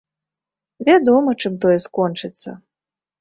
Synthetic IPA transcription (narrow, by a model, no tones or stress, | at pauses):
vʲad̪ɔmɐt͡ʂɨmt̪ɔjɛskɔnt͡ʂɨt̪sːɐ̰